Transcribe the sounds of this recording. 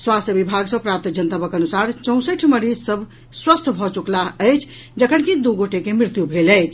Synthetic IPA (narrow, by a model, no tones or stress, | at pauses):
swast̪ʰjəbibʱaɡsəbpɾap̚t̪d͡ʒənt̪əpəkənusaɾt͡ʃə̃ʊ̃səʈʰməɾid͡ʒsəbʱ | swəst̪ʰbʱɔt͡ʃuklaəjt͡ʃʰ | d͡ʒəkʰənkid̪uɡoʈekemɾit̪jubʱeləjt͡ʃʰ